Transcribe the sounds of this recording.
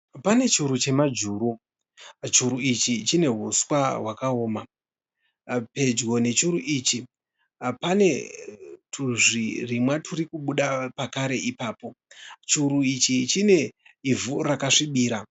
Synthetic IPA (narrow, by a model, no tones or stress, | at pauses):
pane̞t͡ʃiuɾut͡ʃe̞mad͡ʒuːɾu | t͡ʃuɾuit͡ʃit͡ʃine̞ɦuswaɦwakaoːma | pe̞d͡ʒɡo̞ne̞t͡ʃuɾuʔiːt͡ʃi | pane̞ | tʰuʐirimwatʰuɾikuɓuɗapakaɾe̞ʔipaːpo̞t͡ʃuɾuit͡ʃit͡ʃine̞ivurakaʂiɓiːɾa